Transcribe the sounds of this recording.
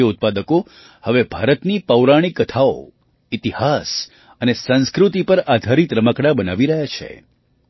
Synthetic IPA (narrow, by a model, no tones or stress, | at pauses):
əʊt̪̚pad̪əko | həʋebʱaɾət̪nipəwɾaɽ̃ikːət̪ʰao̰ | ɪt̪ihas | ənesə̃nskɾut̪ipəɾad̪ʱaɾit̪ɾəməkɽabəna̰ʋiɾəɦjat͡ʃʰḛ